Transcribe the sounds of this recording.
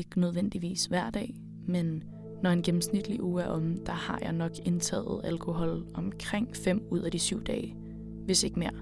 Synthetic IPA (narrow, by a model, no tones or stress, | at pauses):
eɡ̥nøð̞ˠʋen̰d̥iʋḭːsʋæɐ̰d̥ɛ̰ː | menː | ɒe̝nɡ̥em̩snid̥liʔuːæɐʔɒ̽m̩d̥ɑ̈hɑ̈jɑ̈ɪnɒ̽ɡ̥e̝nt͡sʰɛ̰ːðð̩ˠælkʰo̝ɦɒ̽lɒ̽mkʰʁeŋ̰fem̰uð̞̰ˠæd̥isyʊ̰d̥ɛːɪ | ʋe̝se̝ɡ̥me̝ɐ̰